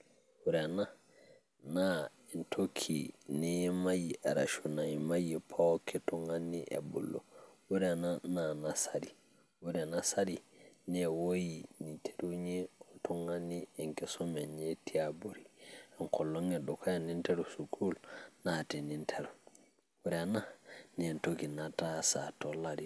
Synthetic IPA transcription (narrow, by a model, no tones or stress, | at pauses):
wuɾɛna | na | intʰokʰːinɛmajiʔɛɾa̰ʃunaimajipʰawɔkʰɛtɔŋanːiʔɛ̰bṵlːɔ̰wuɾɛnananasaɾi | wuɾɛnasaɾinɛwojinitʰe̥ɾuɲeɔtɔŋanːiɛŋkɛsɔmɛnɲetʰiabuɾiaŋkɔlːɔŋɛdɔkʰɔjanːinteɾusukʰulnatinintʰeɾu | wuɾananentokinatasatɔladi